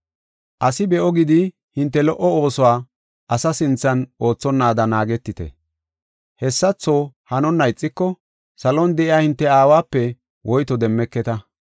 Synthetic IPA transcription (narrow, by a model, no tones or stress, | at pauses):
ʔɐsɪbɛʔɔɡɪd̪ɪ | hɪnt̪ːɛlɔʔɔo̞ːsɔwaː | ʔɐsɐsɪnt͡sːɐnʔo̞ːt͡sːɔnːaːd̪ɐnaːɡɛt̪ːɪt̪ɛ̰ | hɛsːɐt͡sːoːhɐnɔnːɐjt͡sʼːɪkːɔ | sɐlɔnd̪ɛʔɪjaːhɪnt̪ːɛaːwaːpːɛ | wʔɔjt̪ɔd̪ɛmːɛkːɛt̪ɐ